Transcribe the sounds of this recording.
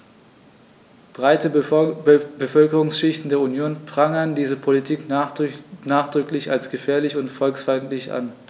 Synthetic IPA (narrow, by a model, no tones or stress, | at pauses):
b̥ʁaɪtə | b̥əfœlkəʁʊŋsʃɪçtn̩deːɐunjoːnpʁ̥aŋəndiːzəpʰolitʰiːk | naːχd̥ʁʏklɪçalsɡ̥əfɛːɐlɪçʊntfɔlksfaɪntlɪçʔa̰n